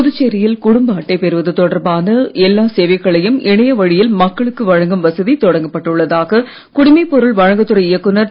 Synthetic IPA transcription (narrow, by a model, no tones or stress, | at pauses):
pʊðɯt͡ʃːeːɾɪjɪlkʊɽʊmbɐːʈːɐɪpɛɾɯʋɐðɯt̪ɔɽɐɾbaːnɐɛlːaːseːʋɐɪɣɐɭɐjɯmɪɳɐjɐʋɐɻɪjɪlmɐkːɐɭɯkːɯʋɐɻɐŋɡɐmʋɐsɐðit̪ɔɽɐŋɡɐpːɐʈːɯɭːɐðaːɣɐ | kʊɽɪmɐɪpɔɾɯɭʋɐɻɐŋɡɐt̪ːɯɾɐɪjɐkːɯnɐɾ